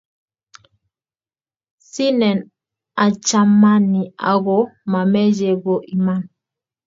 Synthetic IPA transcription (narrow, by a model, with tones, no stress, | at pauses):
si˦nɛ˨n | a˨t͡ʃa˦mːa˦ni˨a̰˨ɣɔ˦ma˨mɛ˦d͡ʒɛ˨ɡɔ˨ʔi˨ma˦˨n